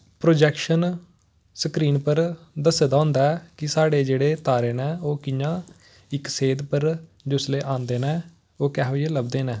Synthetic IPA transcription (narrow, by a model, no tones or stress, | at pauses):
pɾoːd͡ʒɛːkʃən | səkɾiːnpəɾd̪əsed̪ãːʊ̃ːnd̪aːɛːkɪsaːɽeːd͡ʒeːɽeːt̪aːɾeːnɛ̃ːoːkɪjãː | ɪkseːd̪pəɾ | d͡ʒʊsleːʔãːnd̪eːnɛ̃ː | oːkɛ̃ːɦoieːləb̚d̪eːnɛ̃ː